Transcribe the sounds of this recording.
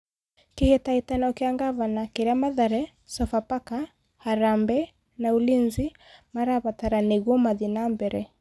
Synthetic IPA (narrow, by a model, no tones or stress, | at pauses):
kehetaitanaɔkeaŋɡaβanakeɾamaðaɾɛ | sɔfapaka | haɾambɛ | naulinzi | maɾaβataɾaneɣɔmaðinambɛɾɛ